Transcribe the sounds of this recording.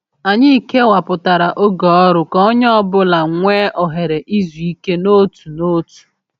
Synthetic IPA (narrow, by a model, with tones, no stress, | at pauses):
a˨ɲɪ˦i˦ke˦wa˨pʊ˨ta˨ɾa˨ʔo˦ɡɔ˨ɔ˦ɾʊ˨kɔ˦ɲ˦ɔ˦bʊ˦la˨ŋʷeː˦ʔɔ˨ɦe˨ɾe˨ʔi˦zu˨i˦ke˦no˦tu˨no˦tu̥˨